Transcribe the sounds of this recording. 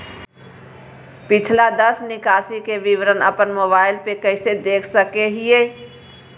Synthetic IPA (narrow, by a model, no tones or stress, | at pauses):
pɪt͡ʃʰlad̪ɐsnɪkaːsikeʋɪʋɾənə̰pənmoːbaːɪlpekəɪsed̪eːkʰsəkeɦieː